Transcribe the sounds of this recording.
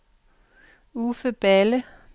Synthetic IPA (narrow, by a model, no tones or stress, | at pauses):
ufəb̥ælə